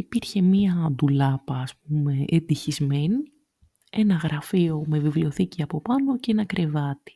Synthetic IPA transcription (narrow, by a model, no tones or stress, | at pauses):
ipiɾçe̞miɐd̪ulɐpɐːsp̚ume̞ʔend̪içizme̞ni | e̞nɐɣɾɐfio̞me̞vivlio̞θiciɐpo̞pɐno̞ceenɐkɾe̞vɐt̪i̥